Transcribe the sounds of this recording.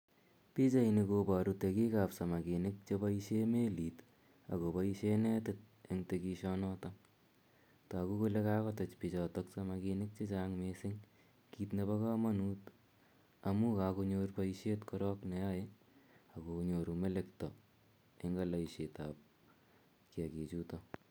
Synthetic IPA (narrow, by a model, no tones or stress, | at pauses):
pit͡ʃainikobaɾutekikapsamakinɪk̚t͡ʃebaiʃemeliːt | a̰kopaiʃenɛtɪt̚eŋtekiʃɔnɔtaŋ | takukolekaːkɔtɐt͡ʃpit͡ʃɔtɔksamakinɪk̚t͡ʃet͡ʃaŋmesɪŋ | kiːtneβakaːmanuːt | amukaːkoɲoːrpaiʃetkɔɾɔknɛjae | akoɲoːɾumelektɔ | eŋɡalaiʃetap̚ | kiaket͡ʃutɔ